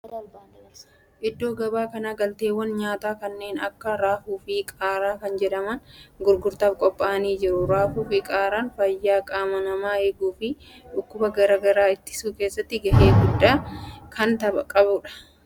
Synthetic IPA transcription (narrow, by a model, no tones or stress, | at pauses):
ʔɪd̪ːo̞ːɡɐbaːkɐnaɡɐlt̪e̞ːwɐnɲaːt̪aːkɐnːe̞ːnɐ̰kːɐɾaːfuːfiːkʼaːɾaːkɐnd͡ʒɛᶑɐmɐnɡʊɾɡʊɾt̪ɐːfkʼɔpʼːaɐniːd͡ʒɪɾʊɾaːfuːfikʼaːɾaːnfɐjːaːkʼaːmɐnɐmaːeːɡuːfɪ | ᶑʊkːʊbɐɡɐɾaːɡɐɾaːɪt̪ːɪ̥suːke̞ːsːɐt̪ːɪɡɐheːɡʊd̪ːaːkʰɐnt̪ɐbɐkʼɐbʊᶑɐ̥